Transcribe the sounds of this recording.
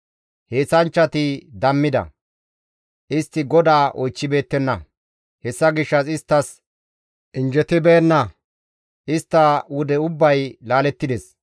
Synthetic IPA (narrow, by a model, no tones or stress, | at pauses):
he̞ːsɐnt͡ʃːɐt̪ɪd̪ɐmːɪd̪ɐ̰ | ʔɪst̪ːɪɡɔd̪aːʔɔjt͡ʃːɪbe̞ːt̪ːɛnːɐ | hɛsːɐɡɪʃːɐsɪst̪ːɐs | ʔɪnd͡ʒɛt̪ɪbeːnːɐ | ʔɪst̪ːɐwʊd̪ɛʊbːɐjlaːlɛt̪ːɪd̪ɛs